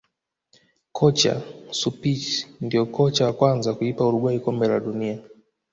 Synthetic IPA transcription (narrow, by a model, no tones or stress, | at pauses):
kʰɔt͡ʃa̰supit͡ʃindiɔkɔt͡ʃawakwanzakuipauɾuɡwaikɔmbɛlaɗunia